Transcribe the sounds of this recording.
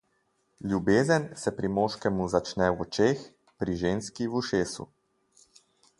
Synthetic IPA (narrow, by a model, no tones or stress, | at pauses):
lʲjubeːzənsɛpɾimoːʃkɛmuzat͡ʃnɛwɔt͡ʃeːx | pɾiʒeːnskiwuʃeːsṵ